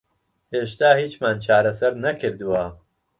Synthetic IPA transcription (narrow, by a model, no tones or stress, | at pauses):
eːʃt̪aːhiːt͡ʃmaːnt͡ʃʰaːɾɐsɐɾnɐkʰɨɾd̪ɨwa